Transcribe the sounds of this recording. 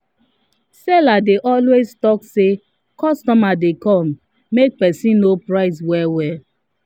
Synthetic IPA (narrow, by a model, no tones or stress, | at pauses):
sɛladeʔɔlweztɔkse | kɔstɔmadekɔ̃mː | ek̚pɛsĩnnopɹaɪs̬wɛwɛ